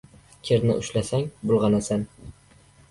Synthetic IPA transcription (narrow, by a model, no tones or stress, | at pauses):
kʲʰeɾnɪ̰ʔʊʃlasaŋbʊlˠʁɑnasan